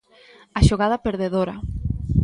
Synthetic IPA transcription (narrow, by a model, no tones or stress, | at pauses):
aʃoɣað̞apeɾðeðoɾɐ